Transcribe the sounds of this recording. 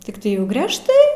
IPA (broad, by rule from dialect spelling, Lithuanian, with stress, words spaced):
tʲɪkˈtɐɪ jɛʊ ɡrʲɛʃˈtɐɪ